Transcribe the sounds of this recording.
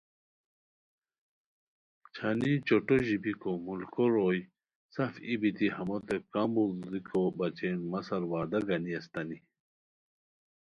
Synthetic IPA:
t͡ɕʰanit͡ɕoʈoʑibikomulkoɾoj | sɐfibit̪ihɐmot̪ekambulzikʰobɐt͡ɕenmɐsɐɾwaːd̪ɐɡɐniɐst̪ɐni

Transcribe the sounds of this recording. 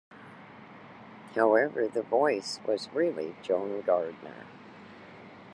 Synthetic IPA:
haʊɛvə˞ðəvɔɪswʌzɹɪlˠḭd͡ʒõʊ̃nɡɑɹd̚mə̰

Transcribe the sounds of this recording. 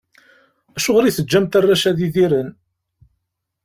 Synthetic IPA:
æʃʊʁɾiθəd͡ʒːæmt̪arˤːæʃæðiðiɾən

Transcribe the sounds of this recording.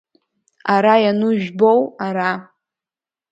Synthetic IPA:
aɾajanuʒᶣbowaɾa

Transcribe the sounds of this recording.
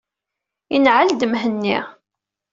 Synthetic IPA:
inʕald̪əmɦənːi

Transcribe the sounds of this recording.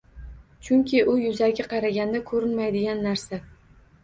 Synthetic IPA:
t͡ʃʰʊŋkʲɪʔʊjʊzaɡʲaqʰɑɾaɡʲand̪akʰɵɾɪnmajd̪ɪɡʲanːaɾsa

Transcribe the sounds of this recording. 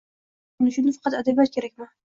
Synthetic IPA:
ʊnɪʃʊnd̪ɪfɑ̥qʰɑt̪ad̪abijat̪̚kʲʰe̞ɾakʲma

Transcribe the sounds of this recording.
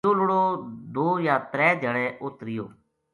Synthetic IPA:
ʊlɽoːd̪oːjaːt̪ɾɛːd͡ʒəɽɛːʔʊt̪ɾɪjoː

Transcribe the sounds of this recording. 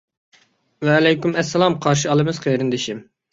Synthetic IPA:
wɛːlɛjkʲymɛsːɛlˠɑmqʰɑɾʃ̬iɑlˠɨmɨzqʰejɾɨnd̪ɪʃim

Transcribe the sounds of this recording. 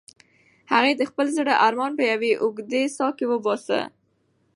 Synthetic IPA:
haɣed̪əxpəlzəɽaʔaɾmɑnpəjaweʔʊɡd̪esɑkewəbɑsə̰

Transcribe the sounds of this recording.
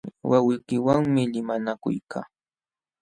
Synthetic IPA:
wawɪkɪwaŋmɪlɪmanakʊ̰jkaː

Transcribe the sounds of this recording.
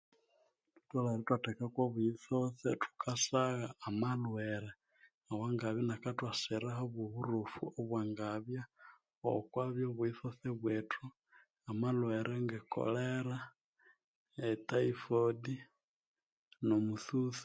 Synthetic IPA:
tu̥taleɾetwatekakwoβuiθoθetu̥kʰasaɣaːmalweɾe | awaŋɡaβjanakatwaseɾahoβwoβuɾufuoβwaŋɡaβja | o̰kwaβjoβuiθoθeβwetu | amalweɾʔeŋɡeko̰leɾa | etaifodi | nomuθuθi̥

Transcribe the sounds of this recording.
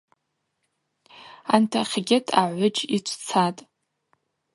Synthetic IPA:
antʰaχʲɡʲetʰaʕʷʊd͡ʒit͡ʃʷʰt͡sʰatʼ

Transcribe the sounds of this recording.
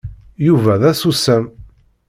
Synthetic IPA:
juvæðæsusːæn

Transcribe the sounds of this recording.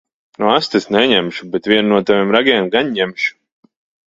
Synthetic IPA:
nuast̪esnɛɲɛmʃubɛt̪vʲiɛnnuɔt̪avʲimɾaɡʲɛmɡaɲːɛmʃu̥

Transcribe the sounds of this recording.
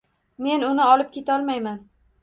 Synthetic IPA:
me̞nʊnɪɒlˠɪp̚kʲʰe̞t̪ʰɒlˠmajman

